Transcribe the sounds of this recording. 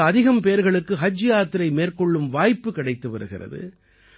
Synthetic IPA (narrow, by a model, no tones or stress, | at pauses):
ɐðɪɣɐmpeːɾɣɐɭɯkːɯɦɐd͡ʒːɪjaːt̪ːɪɾɐɪmeːɾkɔɭːɯmʋaːjpːɯkɪɽɐɪt̪ːɯʋɐɾɯɣɪ̰rɐ̰ðɯ̰